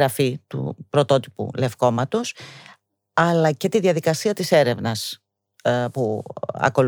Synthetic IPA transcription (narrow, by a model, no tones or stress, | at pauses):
ɾɐfit̪ṵpɾo̞t̪o̞t̪ipṵle̞fko̞mɐt̪o̞s | ɐlɐce̞t̪iðiɐðikɐsiɐt̪ise̞ɾe̞vnɐs | puɐ̰ko̞l